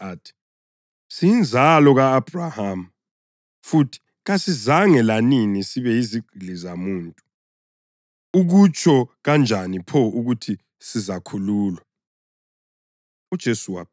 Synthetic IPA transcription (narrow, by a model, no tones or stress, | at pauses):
atʰi̥ | sijind͡zʱalɔɣaːb̥ʱrahamu | futʰi̥ | ɣasizaŋɛlaninisiβɛiziɡ͡ǃʱilizamuːntʼu̥ | uɣut͡ʃʰʼɔɣand͡ʒʱanipʰɔuɣutʰi | sizakʰuluːlwa | ud̥ʒ̥ʱesuwa̰